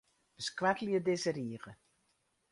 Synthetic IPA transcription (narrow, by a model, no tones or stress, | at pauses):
b̥əskwɛkəljədɪsəɾiəɣə